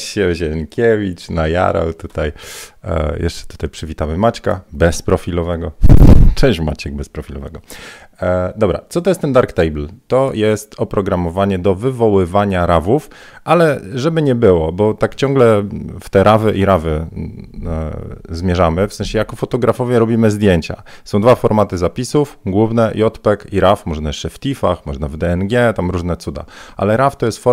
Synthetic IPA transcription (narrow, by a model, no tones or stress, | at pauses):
ɕɛʑɛŋkʲevʲit͡ʂnaja̰ɾa̰wt̪ut̪aj | jɛ̰ʂt͡ʂɛ̥t̪u̥t̪ajpʂɛvʲit̪amɘmat͡ɕka̰bɛspɾɔfʲilɔvɛɡɔt͡ʂɛw̃ɕma̰t͡ɕɛɡ̚bɛspɾɔfʲilɔvɛɡɔ | d̪ɔbɾa̰t̪sɔt̪ɔjɛst̪ːɛnd̪aɾkt̪ɛjbl̩t̪ɔjɛst̪ɔpɾɔɡɾamɔvaɲɛd̪ɔvɘvɔwɘvaɲaɾavuf | ʔalɛʐɛbɘɲɛbɘwɔbɔt̪akt͡ɕɔ̃ŋɡlɛft̪ɛɾavɘʔiɾavɘ | zmʲjɛʐamɘfsɛ̃ɲɕɛjakɔfɔt̪ɔɡɾafɔvʲjɛɾɔbʲimɘzd̪ʲjeɲt͡ɕa̰ | sɔ̃w̃d̪vafɔɾmat̪ɘzapʲisufɡwuvnɛjɔt̪pɛkiɾafmɔʐnajɛʂt͡ʂɛft̪ʲifa̰xmɔʐnavd̪ɛɛnɡʲjɛt̪amɾuʐnɛt̪sud̪a̰ʔa̰lɛɾaft̪ɔjɛst̪fɔ